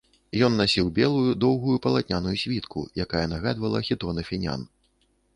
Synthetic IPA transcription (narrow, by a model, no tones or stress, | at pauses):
jɔnːasʲiwbʲɛlˠujud̪ɔwɣujupɐlˠat̪ʲnʲanujusʲvʲit̪kʰṵjakajɛnaɣad̪vɐlˠɐxʲit̪ɔnɐfʲinʲa̰n